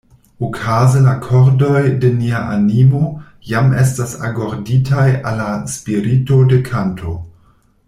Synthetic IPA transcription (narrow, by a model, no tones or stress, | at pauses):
okʰazelakʰoɾdo̞jde̞niaʔanimo̞ | james̬tasa̰ɡoɾditajalːaspiɾito̞de̞kʰantʰo̞